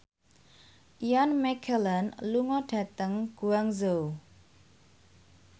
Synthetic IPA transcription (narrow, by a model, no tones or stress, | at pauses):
janmɛkʰələnluŋɔɖ̥a̤t̪əŋɡ̥uaŋzow